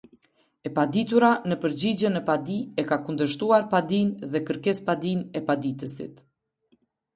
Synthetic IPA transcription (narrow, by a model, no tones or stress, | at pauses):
ɛpad̪it̪uɾanəpəɾd͡ʑid͡ʑɛnɛpad̪iɛkakund̪əʃ̬t̪uaɾpad̪inðɛkəɾkɛspad̪inɛpad̪it̪əsḭt̪